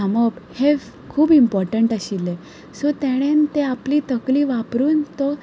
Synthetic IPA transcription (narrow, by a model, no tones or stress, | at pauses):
aməphe | kʰuːbimpɔɾʈəɳʈaɕile | sot̪ɛɽ̃ent̪eapliːt̪əkliːʋapɾuːnt̪ɔ